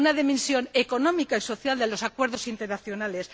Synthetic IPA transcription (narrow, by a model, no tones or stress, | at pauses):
unaðimẽnsjo̞neko̞nomikaiso̞θjald̪e̞lo̞sakwe̞ɾð̞osint̪eɾnaθjonale̞s